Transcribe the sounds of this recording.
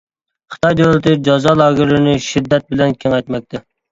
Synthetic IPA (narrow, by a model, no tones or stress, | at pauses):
χɨ̥t̪ɑjd̪owlˠɨt̪ɨd͡ʒɑzɑːlˠɑːɡɪɾɪnɪʃid̪ːɛt̪̚bɪlɛnkʲʰɛŋɛjt̪mɛk̚ʲt̪ʰɛ